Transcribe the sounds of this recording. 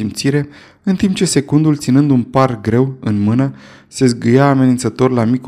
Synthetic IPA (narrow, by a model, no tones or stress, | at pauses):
impt̪siɾe̞ | ɨnt̪imp̚t͡ʃe̞se̞kund̪ult̪sinɨnd̪unparɡɾe̞wɨnmɨnə | se̞sɡɨjaːme̞nint̪sət̪o̞rʲlamik